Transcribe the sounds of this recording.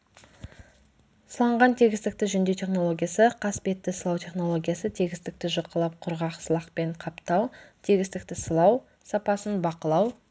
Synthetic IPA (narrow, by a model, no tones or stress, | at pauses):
səlˠɑɴʁɑnt̪ʰe̞ɡʲɪst̪ɪk̚t̪ɪʒʏnd̪et̪ʲʰe̞χno̞lˠo̞ɡʲijasəqʰɑspe̞t̪ːɪsəlˠɑwt̪ʰe̞χno̞lˠo̞ɡʲijasət̪ʰe̞ɡʲɪst̪ɪk̚t̪ɪʒəqːəlˠɑp̚qʰʊɾʁɑqsəlˠɑqpe̞ɴqʰɑpt̪ɑwt̪ʰeɡʲɪst̪ɪk̚t̪ɪsəlˠɑw | sɑpɑsənbɑqəlˠɑw